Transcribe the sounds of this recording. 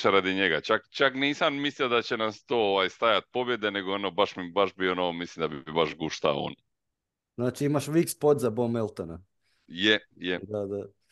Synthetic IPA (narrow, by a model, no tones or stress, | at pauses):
ʃɾad̪iɲeɡat͡ʃakt͡ʃakniːsammisliod̪at͡ɕenast̪oːoʋajst̪ajat̪̚po̞bje̞d̪eneɡoonobaʃmibaʃbionoʋomislimd̪abiibaʃɡuʃt̪a̰o̰o̰ːn | znaːt͡ʃiimaʃʋikspod̪zabomelˠt̪ona | je | jed̪ad̪a